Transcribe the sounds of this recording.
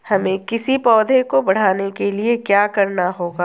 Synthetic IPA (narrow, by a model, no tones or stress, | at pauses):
hɐmẽkɪsipɔːd̪ʱẽkobɐɽ̤aːnekeliekjaːkɐɾnaɦoːɡaː